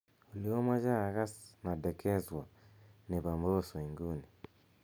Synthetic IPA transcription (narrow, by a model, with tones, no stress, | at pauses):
u˨lio˦mwa˦d͡ʒa˦˨ɣa˦sna˨dɛ˨kʰɛ˦zwa˨ne˨βa˨mbo˦sɔ˨i˨ŋɡu˦ni